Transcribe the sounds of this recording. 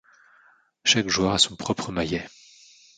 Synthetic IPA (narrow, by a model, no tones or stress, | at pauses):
ʃakʒwaʁasɔ̃pχɔpχəmajɛ